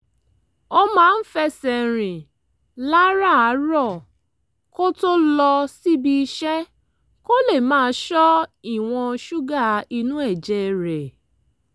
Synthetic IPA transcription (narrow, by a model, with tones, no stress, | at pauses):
o˦mãː˦˧n̩˦fɛ˧sɛ˨ɾ̃ĩ˨ | la˦ɾa˦˨a˨˦ɾɔ˦˨ | ko˦to˦lɔ˧si˦bi˧i˧ʃɛ˦ | ko˦le˦˨mãː˦ʃɔ˦i˦˨w̃ɔ̃˧ʃu˦ɡa˦˨i˧nũ˦ɛ˦˨d͡ʒɛ˦˧˨ɾɛ˨